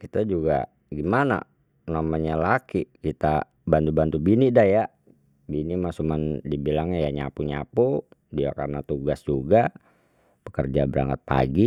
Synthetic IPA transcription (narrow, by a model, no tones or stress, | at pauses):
kit̪ad͡ʒuɡa̰ | ɡimana̰ | namaɲalakikit̪a | bant̪ubant̪ubinidahja | binimasumandibilaŋɲajaɲa̰puɲapudiakarənat̪uɡasd͡ʒuɡa | bəkərd͡ʒabəɾa̰ŋət̪̚pa̰ɡi